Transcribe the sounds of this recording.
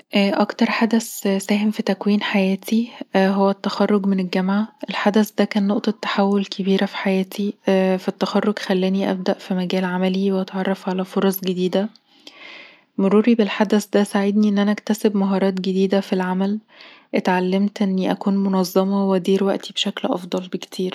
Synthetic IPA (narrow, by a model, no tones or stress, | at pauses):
ʔːʔɑkt̪ɑɾˤħad̪æssæːɦemfit̪ækwiːnħajæːt̪ʰiɦowːæt̪ːæxɑrˤːoɡmenelɡæmʕaʔelħad̪æsd̪ækæːnːoʔt̪ˤɑt̪ːḁħawːolkʰebiːɾæfi̥ħajæːt̪ʰifæt̪ːæxɑrˤːoɡxælːæːniʔæ̰b̚d̪æʔfimæɡæːlʕamæliweʔɑt̪ʕɑrˤːɑfʕalæfoɾˤɑsˤɡed̪iːd̪æ | moɾuːɾibelħad̪æsd̪æsaʕed̪niʔenːʔænæʔækt̪æsebmɑɦɑːɾˤɑːt̪ɡed̪iːd̪æfilʕamæl | ʔet̪ʕalːemt̪ʔenːiʔækuːnmonɑzˤːɑmɑwed̪iːɾwæʔt̪ʰibeʃæklʔɑ̰fd̪ˤɑlbekt̪ʰiːɾ